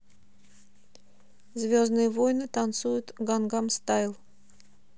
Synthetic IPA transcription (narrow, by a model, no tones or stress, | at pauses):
zvʲoznɨjəvojnɨt̪ant̪sujʊt̪ɡanɡamst̪ajlˠ